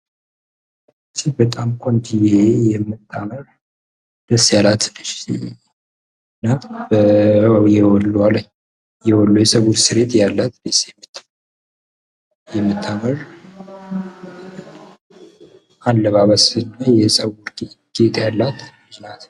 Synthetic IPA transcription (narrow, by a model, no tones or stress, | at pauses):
t͡ʃʰːibət̪ʼamkʷʼond̪ɨjejɛmːɨt̪ʰːaməɾ | d̪̥əsːjalat̪lɨʃ | ɨnːabəjɛwɔlːaləɲ | jɛwɔlːujɛsəwuɾsɨɾet̪jalːat̪d̪əsjɛmːɨt̪ʰː | jɛmːɨt̪ʰːaməɾ | ʔanlːəβaβəsɨnːajɛsʼəwuɾɡɡ̥et̪ʰjalːat̪minat̪